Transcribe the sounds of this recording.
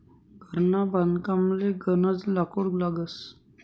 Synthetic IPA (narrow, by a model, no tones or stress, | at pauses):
ɡʱəɾnaband̪kamleɡənət͡slakoɽlaɡəs